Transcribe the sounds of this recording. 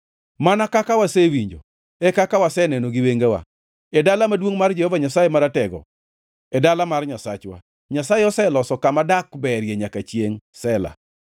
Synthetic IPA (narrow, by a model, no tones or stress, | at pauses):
manakakawasɛwiɲd͡ʒo̰ | ɛkakawasɛnɛnoɡɪweŋɡawa̰ | ɛdalamadwoŋmard͡ʒɛhɔvaɲasajemaɾatɛɡɔ̰ | ɛdalamarɲasat͡ʃwa̰ | ɲasajeɔsɛlɔsɔkamadakbɛɾjeɲakat͡ʃjeŋsɛla̰